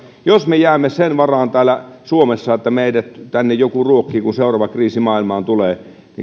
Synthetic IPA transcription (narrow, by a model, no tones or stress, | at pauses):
josmejæːmːesenʋɑrɑːnt̪æːlːæsuomesːɑet̪ːæmeidæt̪t̪ænːejjokuruokːiːkunseˑurɑːʋɑkriːsimɑːilmɑːnt̪uleː | nḭ